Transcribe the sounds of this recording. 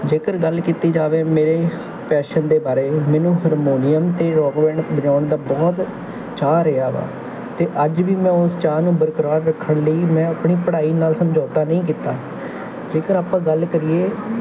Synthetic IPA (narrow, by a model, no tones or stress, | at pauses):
d͡ʒeːkəɾɡəlkiːt̪iːd͡ʒaːʋeːmeːɾeː | pɛːʃənd̪eːbaːɾeːmɛ̃ːnũːɦəɾmoːnɪjəmt̪eːɾɔːkʋɛ̃ːɳɖbəd͡ʒãːʊɳd̪aːbɔːt̪ | t͡ʃaːɾəaːʋa̰ː | t̪eːʔəd͡ʒʋiːmɛ̃ːʊst͡ʃaːnũːbəɾkəɾaːɾɾəkʰːəɽləiːmɛ̃ːəpɳiːpəɽaːiːnaːlsəmd͡ʒoːt̪aːnəĩːk̬iːt̪aː | d͡ʒeːkəɾaːpãːɡəlkəɾieː